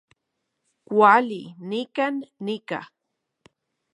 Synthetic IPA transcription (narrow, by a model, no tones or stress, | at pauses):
kʷalinikanːika̰